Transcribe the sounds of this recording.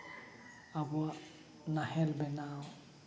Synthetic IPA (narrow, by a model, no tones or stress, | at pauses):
aɡua | nahɛlbɛnaw